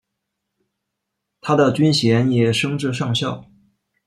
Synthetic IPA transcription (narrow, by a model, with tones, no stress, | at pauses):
t̪ʰa˥d̪ə˨t͡ɕy˥nɕjɛ˧˥njɛ˨˩ʂɤ˥ŋʈ͡ʂɻ̩˥˧ʂɑ˥˧ŋɕjɑ˥˩ʊ